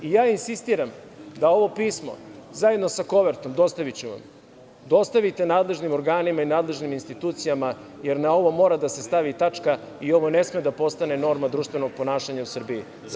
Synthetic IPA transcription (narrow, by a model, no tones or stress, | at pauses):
ijaːinsist̪iːɾamd̪ao̞ʋo̞piːsmo̰zaje̞d̪nosako̞ʋe̞ɾt̪o̞md̪o̞st̪aʋit͡ɕuʋa̰m | d̪o̞st̪aʋit̪e̞naːd̪lˠe̞ʒnimo̞ɾɡaːnimainaːd̪le̞ʒniminst̪it̪uːt̪sijama | je̞ɾnao̞ʋo̞mo̞ːɾad̪ase̞st̪aʋit̪at͡ʂka | io̞ʋo̞ne̞smed̪apo̞st̪ane̞no̞ɾmad̪ɾuːʃt̪vʋe̞no̞ɡ̚po̞naːʃaɲausr̩biji